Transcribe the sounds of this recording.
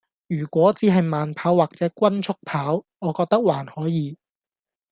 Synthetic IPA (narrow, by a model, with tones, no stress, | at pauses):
jyː˨˩kʷɔː˨˥t͡siː˨˧ɦɐ˨jmaː˨npʰaː˨˥waː˨k̚t͡sɛː˨˥kʷwɐ˥nt͡sʰʊ˥k̚pʰaː˨˥w | ɔː˨˧kɔː˧k̚t̪ɐ˥k̚waː˨˩nhɔː˨˥jiː˨˧